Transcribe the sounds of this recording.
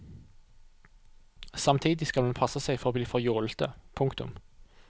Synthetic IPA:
sɑmt̪ʰiːd̪ɪskɑlmɛnpʰɑsəsɛɪfɔʁoːbliːfɔʁjuːlt̪əpʰʊŋkt̪ʊ̰m

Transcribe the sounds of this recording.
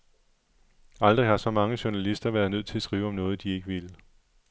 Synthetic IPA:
ɑ̈ld̥ʁihɑ̈sɒ̽mɑ̈ŋəɕuɐnælisd̥ɐʋæɐðˠnøð̞̰ˠt͡sʰe̝sɡ̥ʁiːʊɒ̽mnɔ̽ːð̞̩ˠd̥ie̝ɡ̥əʋilə

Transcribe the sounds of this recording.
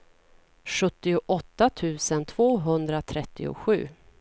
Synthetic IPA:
ɧɵt̪ːɪʊʔɔt̪ːat̪ʰʉ̟ːsənt̪ʰv̥oːɦɵnd̪ɾat̪ʰɾɛt̪ːɪʊ̰ɧʉ̟ː

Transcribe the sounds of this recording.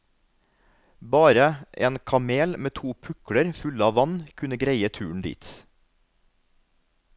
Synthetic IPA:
bɑːɾəʔḛːnkʰɑmeːlmeːt̪ʰuːpʰʉkɽəɾfʉlɑːʋɑnkʰʉnəɡɾeɪət̪ʰʉːɳ̩d̪ḭːt̪

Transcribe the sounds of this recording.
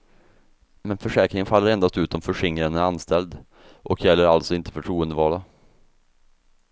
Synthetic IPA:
mɛnfœʂɛːkɾɪŋənfalːəɾɛnd̪ast̪ʉ̟ːt̪ɔmfœʂɪŋːɾənæanst̪ɛld̪ | ʔɔkʰjɛlːəɾalt̪sɔɪnt̪ə̥fœʈʰɾuːənd̪əvɑːɭa

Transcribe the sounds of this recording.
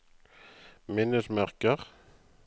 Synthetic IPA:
mɪnːəsmæʁkəʁ

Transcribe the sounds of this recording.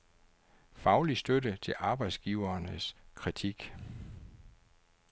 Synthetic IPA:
fɑ̈ʊlisd̥ødət͡sʰe̝lʔɑ̈ːb̥ɑ̈ɪd̥sɡ̥iːʊɐːnəskʰʁit͡sʰiɡ̥

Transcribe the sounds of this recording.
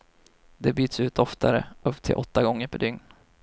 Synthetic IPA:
d̪ɛbyːt̪sʉ̟ːt̪ʰɔft̪ʰaɾə̰ʔɵpːt̪ʰɪ̰lʔɔt̪ːaɡɔŋːəɾpʰɔd̪ʏŋn

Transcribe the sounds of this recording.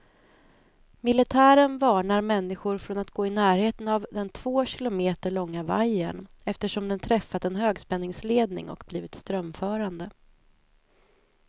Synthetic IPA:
mɪlɪt̪ʰæːɾənvɑːɳaɾmɛnːɪɧʊɾfɾɔnat̪ɡoːɪnæːɾheːt̪ənavd̪ɛnt̪ʰv̥oːɕɪlʊmeːt̪əɭɔŋːavajːə̰n | ɛft̪əʂɔmd̪ɛnt̪ʰɾɛfːat̪ɛnɦøːɡspɛnːɪŋsleːd̪nɪ̰ŋɔ̰kbliːvɪt̪st̪ɾœmfœːɾand̪ə

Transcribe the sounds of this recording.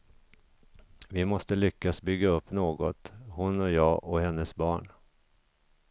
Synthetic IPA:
vɪmɔst̪əlʏkːasbʏɡːaɵpːnoːɡɔt̪hʊnɔjɑːʔɔhɛnːəsbɑːɳ

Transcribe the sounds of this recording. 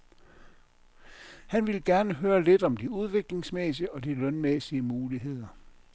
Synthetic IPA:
hænʋe̝lɡ̥æɐnəɦøːɐle̝d̥ɒ̽md̥iuð̞ˠʋe̝ɡ̥le̝ŋsmesiəɒ̽d̥ilœnmesiəmuːliɦe̝ð̰ˠɐ

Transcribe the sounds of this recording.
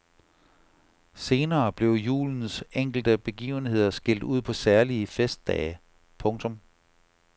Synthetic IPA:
se̝ːnɐːb̥le̝ʊjṵːln̩seŋ̰ɡ̥l̩d̥əb̥e̝ɡ̥ḭːʊn̩he̝ð̞̰ˠɐsɡ̥el̰d̥uð̞̰ˠpʰɒ̽sæɐliəfesd̥ɛ̰ː | pʰɔ̽ŋt͡sʰɔ̽m

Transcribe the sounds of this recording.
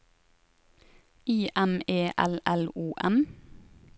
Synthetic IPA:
iːʔɛmeːʔɛlʔɛluːʔɛm

